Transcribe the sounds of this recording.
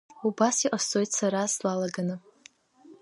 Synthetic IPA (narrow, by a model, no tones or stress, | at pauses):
ubasiʔʼasojtsaɾaslalaɡanɨ